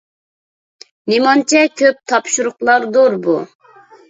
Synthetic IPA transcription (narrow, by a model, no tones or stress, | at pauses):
nimɑnt͡ʃʰɛkʲʰøp̚t̪ʰɑpʃuɾʊqlˠɑɾd̪oɾbu